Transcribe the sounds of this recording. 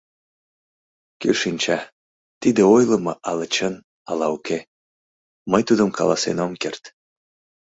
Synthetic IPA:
køʃinʲt͡ɕɑ | t̪id̪eojləmɤʔɑlət͡ɕən | ɑlɑuke | məjt̪ud̪əmkɑ̰lɑ̰sḛnomkert̪

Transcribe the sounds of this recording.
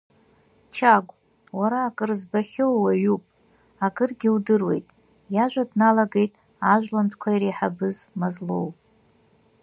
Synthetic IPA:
t͡ʃʰaɡʷʼ | waɾaːkʼɨrzbaχʲowwaɥupʼ | akʼɨrɡʲiudɨrwe̞̰jtʼ | jaʒʷadnalaɡe̞jtʼ | aʒᶣʷlamtʰkʷʰaiɾeħabɨzmazlo̞̰wpʼ

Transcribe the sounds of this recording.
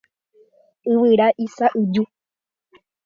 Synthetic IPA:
ɨʋɨɾaʔisaʔɨd͡ʒu

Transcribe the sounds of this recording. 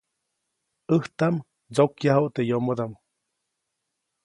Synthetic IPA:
əht̪am | t͡sokjaɦoʔt̪ejomod̪am

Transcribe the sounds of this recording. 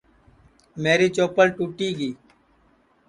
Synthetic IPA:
meːɾiːt͡ʃoːpəlʈuːʈiːɡiː

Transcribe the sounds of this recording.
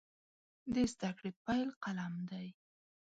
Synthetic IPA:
d̪əzd̪akɽepajlqalamd̪aj

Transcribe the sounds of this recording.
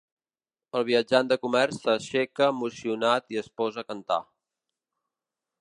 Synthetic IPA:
əlˠβ̞iəd͡ʒand̪əkumɛrsəʃɛkəːmusiunat̪iəspɔzəkənt̪a̰

